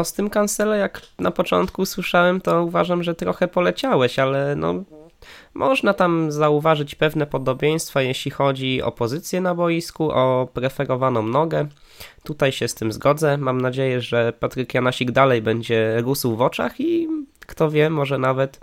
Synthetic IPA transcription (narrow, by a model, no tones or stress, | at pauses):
ɔst̪ɘmkansɛlɛjaknapɔt͡ʂɔ̰nt̪kuswɘʂawɛmt̪ɔuvaʐamʐɛt̪ɾɔxɛpɔlɛt͡ɕawɛɕalɛnɔ̰ | mʔɔʐnat̪amzauvaʐɘt͡ɕpɛvnɛpɔd̪ɔbʲjej̃st̪fajeɕlʲixɔd͡ʑiɔ̰pɔzɘt̪sʲjɛnabɔjiskuʔɔpɾɛfɛɾɔvanɔ̃w̃nɔɡɛ | t̪ut̪ajɕɛst̪ɘmzɡɔd̪zɛmamnad͡ʑejɛʐɛpat̪ɾɘkjanaɕiɡd̪alɛjbɛɲd͡ʑɛɾusuwvɔt͡ʂa̰xikt̪ɔvʲjɛmɔʐɛnavɛt̪